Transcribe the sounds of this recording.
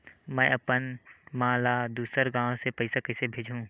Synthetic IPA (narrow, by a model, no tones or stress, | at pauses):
mɛ̃ːɐpənmãːlad̪uːsəɾɡãːõsepɐɪsakɐɪsebʱeːd͡ʒʱɦũː